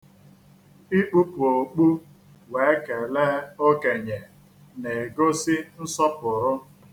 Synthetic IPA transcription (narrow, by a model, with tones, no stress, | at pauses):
i˦k͡pu˦pʊ˨o˨k͡pu˦ | we˨˦e˦ke˨le˦o˦ke˨ɲe˨ | ne˨e˨ɡo˦sɪ˦n̩˦sɔ˦pʊ˨ɾʊ˦